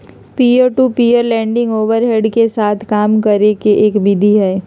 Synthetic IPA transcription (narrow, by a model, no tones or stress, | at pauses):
piːəɾʈupiːəɾlɛ̃ːɳɖɪ̃ŋɡoːʋəɾɦeɖkesaːt̪ʰkaːmkəɾekeʔeːkbid̪ʱiɦɛː